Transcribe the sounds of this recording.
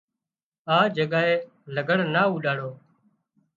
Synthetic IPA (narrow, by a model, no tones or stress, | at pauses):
aːd͡ʒəɠaːɦeː | ləɡəɳnaːuːɗaːɽoː